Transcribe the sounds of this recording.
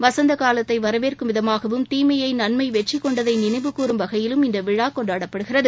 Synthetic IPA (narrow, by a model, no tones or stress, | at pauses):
ʋɐsɐnd̪ɐkaːlɐt̪ːɐɪʋɐɾɐʋeːrkɯʋɪðɐmaːɣɐʋɯmt̪iːmɐjɐɪnɐɳmɐɪʋɛʈt͡ʃːɪkːɔɳɖɐðɐɪnɪnɐɪʋɯkuːɾɯmʋɐɣɐjɪlɯmɪnd̪ɐʋɪɻaːkɔɳɖaːɽɐpːɐɽɯɣɪrɐðɯ